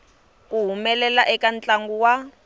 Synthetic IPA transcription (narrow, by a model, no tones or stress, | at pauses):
kuɦumɛlɛlaʔɛkant͡ɬʼaŋɡuwa